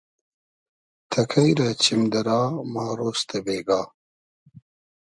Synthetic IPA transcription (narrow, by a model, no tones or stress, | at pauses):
t̪ʰɐkʰɐjɾɐt͡ɕʰimd̪ɐɾaːmaːɾoːst̪ʰɐbeːɡaː